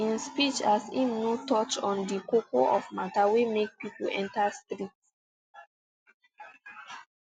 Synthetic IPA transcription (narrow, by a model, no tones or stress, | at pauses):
ĩnspit͡ʃasḭ̃mnutɔt͡ʃɔ̃ndikokoʔɔvmatawemek̚pipolɛ̃ntastɾit